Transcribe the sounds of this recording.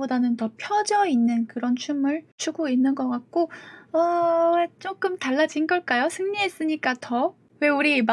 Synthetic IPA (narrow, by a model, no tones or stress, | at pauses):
odanɯntʌpʰjʌd͡ʑʌinːɯnkɯɾʌnt͡ɕʰumɯɭt͡ɕʰuɡoinːɯnɡʌk͈ak̚k͈oʌet͡ɕ͈ok͈ɯmtaɭːad͡ʑinɡʌɭk͈ajosʰɯŋɲies͈ɯɲik͈atʌ | we̞uɾim